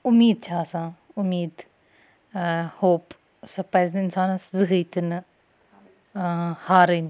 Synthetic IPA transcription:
ʊmiːd̪̚t͡ʃʰasãː | ʊmiːd̪ | hoːp | sɐpaːjzd̪ɪnsaːnɐszɨɦəjt̪ɨn | haːɾən

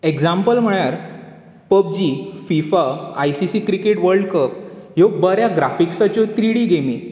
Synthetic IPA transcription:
eɡd͡zampəlm̤əɭjaɾ | pəp̚d͡ʑiːfifaːjsisiːkɾikeʈʋəɾɖkəpjoɡ̚bəɾjaɡɾafiksat͡ɕɔt̪ɾiɽiːɡemi

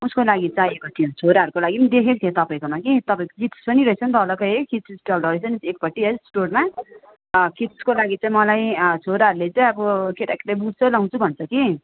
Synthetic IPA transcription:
uskolaɡit͡sajekot̪ʰijõt͡sʰoɾaʌɾukolaɡind̪ekʰek̚t̪ʰjẽt̪ʌpaĩkomakit̪ʌpaĩko̥kit̪spʌniɾʌɦit͡sʰʌnt̪ʌlʌkʌjɦekit̪ssʈʌlɾʌjt͡sʰʌnisekpʌʈːiɦʌsʈorma | kit̪skolaɡit͡saĩmʌlajt͡sʰoɾaɦʌɾulet͡saĩʌbʌkeʈakeʈabuɽt͡sʰʌlaw̃t͡sʰubʱʌnt͡sʰʌki

